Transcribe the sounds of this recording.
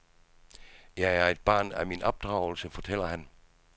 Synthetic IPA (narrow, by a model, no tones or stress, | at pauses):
jɑ̈ɪæɐe̝d̥̚b̥ɑ̰̈ːnæminɒ̽b̥̚d̥ʁɑ̈ʊl̩səfɒ̽t͡sʰel̰ɐhæn